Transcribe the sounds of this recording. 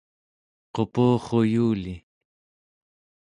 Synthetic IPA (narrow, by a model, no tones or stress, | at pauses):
qo̞puːχo̞juːli